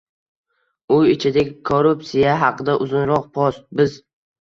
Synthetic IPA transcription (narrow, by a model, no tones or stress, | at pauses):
ʊɪt͡ʃʰɪd̪eɡʲɪkʰoɾupsijaɦɑqɨd̪aʔʊzʊnɾɒq̚pʰɒsbɪz